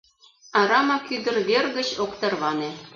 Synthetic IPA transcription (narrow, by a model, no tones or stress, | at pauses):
ɑɾɑmɑkyd̪ə̆rβerɣə̆t͡ɕokt̪ɤ̆rβɑne